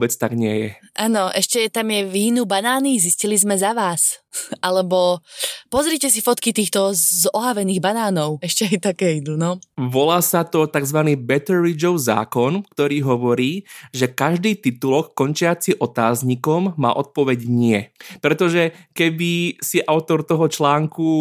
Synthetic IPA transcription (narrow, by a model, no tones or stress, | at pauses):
bɛt͡st̪aɡɲɪɛjɛ̰ʔaːnɔʔɛʃcɛt̪amjɛʋiɦinubanaːniziscilizmɛzaʋaːsʔalɛbɔpɔzɾicɛs̬ifɔt̪kit̪iːxt̪ɔzɔɦaʋɛniːɣbanaːnɔʊɛʃcɛajt̪akɛːid̪uːnɔʋɔlaːsat̪ɔt̪aɡzʋaniːbɛt̪ɛɾid͡ʒɔʊza̰ːkɔnkt̪ɔɾiːɦɔʋɔɾiːʒɛkaʒd̪iːt̪it̪ulɔkːɔnt͡ʃɪat͡siʔɔt̪aːzɲikɔmːa̰ːʔɔt̪̚pɔʋɛɟɲɪɛpɾɛt̪ɔʒɛkɛbisiʔaʊt̪ɔɾt̪ɔɦɔt͡ʃlaːŋku